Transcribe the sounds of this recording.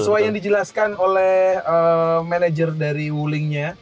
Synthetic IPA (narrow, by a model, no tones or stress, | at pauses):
əsuajaŋdid͡ʒəlaskanolɛhəmanad͡ʒərdaɾiwulɪŋɲa